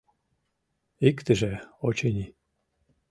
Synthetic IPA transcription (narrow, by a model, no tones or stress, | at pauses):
ikt̪ɘʒeot͡ɕenʲi